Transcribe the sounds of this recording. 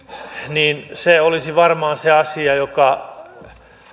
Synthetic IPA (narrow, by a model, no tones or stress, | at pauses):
niːnseolisiʋɑrmɑːnseɑsiɑjokɑ